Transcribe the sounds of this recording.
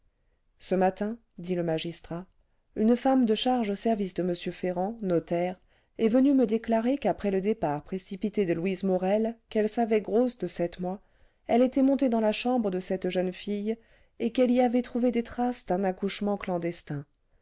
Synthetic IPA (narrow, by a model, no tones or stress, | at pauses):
səmat̪ɛ̃ | d̪iləmaʒist̪χa | ynfamd̪əʃaʁʒosɛʁvisd̪əməsjøfeʁɑ̃nɔt̪ɛʁ | ɛvənyməd̪eklaʁekapχɛləd̪epaʁpχesipit̪ed̪əlwizmɔʁɛlkɛlsavɛɡʁosd̪əsɛt̪mwa | ɛlet̪ɛmɔ̃t̪ed̪ɑ̃laʃɑ̃bʁəd̪əsɛt̪ʒœnfij | ekɛliavɛt̪χuved̪et̪χasd̪ɛ̃nakuʃmɑ̃klɑ̃d̪ɛst̪ɛ̃